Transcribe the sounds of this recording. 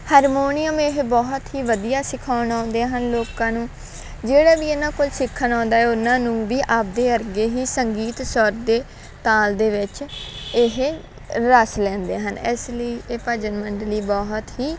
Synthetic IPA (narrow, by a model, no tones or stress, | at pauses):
haːɾmoːnɪjəmɪɦbɔːɦt̪ɦiːʋəd̪ijaːsɪkʰaːʊnaːnd̪eɦənloːkãːnũː | d͡ʒeːɽaːʋiːenãːkolsɪkʰːənãːnd̪aːɦɛːʊnãːnũːʋiːʔap̚d̪eːəɾɡeːɦiːsəŋɡiːt̪sɔɾd̪eː | t̪aːld̪eːʋɪt͡ʃɪɦ | ɾəslɛ̃ːnd̪eːɦənɪ̰sliːeːpəd͡ʒənməɳɖliːbɔːɦt̪ɦiː